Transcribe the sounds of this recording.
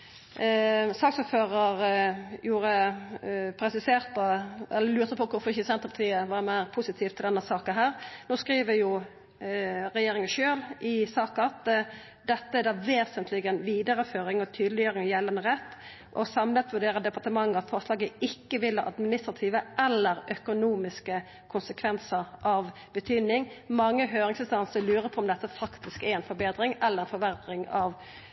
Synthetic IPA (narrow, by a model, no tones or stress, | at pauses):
sɑːksut̪føːɾəɾjuːɾə | pʰɾɛsɪseːʁt̪əɛlːəlʉːʁt̪əpʰɔkʰʊɾfɔɾɪçəsɛnt̪əpʰɑt̪ʰiːəʋɑɾmæɪʁpʰʊsɪt̪ʰiːft̪ʰɪld̪ɛnːəsɑːkəɦæːɾnoːskɾiːʋəjʊ | ɾɛjeːɾɪŋəʃøːlʔɪsɑːkəɑt̪ | d̪ɛt̪ːəæd̪ɑʋeːsənt̪ʰlɪɡənʋiːd̪əɾəføːɾɪŋɔt̪ʰyːd̪lɪjøːɾɪŋjɛlɑnəʁɛt̪ː | ʔɔsɑmlət̪ʰʋʉɖeːɾəd̪ɛpɑʁt̪əmɑŋːəɑt̪fɔʁʂlɑːɡəɪkːəʋɪlhɑʔɑ̰d̪mɪnɪst̪ɾɑt̪ʰiːʋəʔɛlːəɾœkʊnuːmɪskə | kʰʊnsəkʰʋɛnsəɾʔɑʋ | b̥ət̪ʰyːd̪nɪŋmɑŋːəɦøːɾɪŋsɪnst̪ɑnsəlʉːɾəpʰɔɔmd̪ɛt̪ːəfɑkt̪ɪskæɾɛnfɔbeːd̪ɾɪŋɛlːəɾʁɛnfɔʋæʁd̪ɾɪŋɑʋ